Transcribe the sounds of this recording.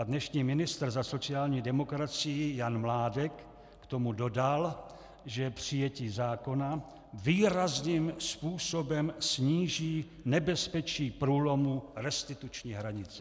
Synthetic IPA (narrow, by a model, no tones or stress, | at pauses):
dnɛʃɲiːmɪnɪst̪r̩zaso̞t͡sɪaːlɲiːdɛmo̞kɾat͡sɪjɪjanmlaːdɛkː | t̪o̞mudo̞dal | ʒɛpr̝̥ɪjɛciːzaːko̞na | viːɾazniːmspuːso̞bɛmsɲiːʒiː | nɛbɛspɛt͡ʃiːpɾuːlo̞muɾɛst̪ɪt̪ut͡ʃɲiːɦɾaɲɪt͡sɛ̥